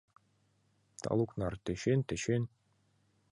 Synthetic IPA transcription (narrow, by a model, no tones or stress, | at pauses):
t̪ʰɑ̰lˠuknɑrt̪ɘ̆ɕent̪ɘ̆ɕɘn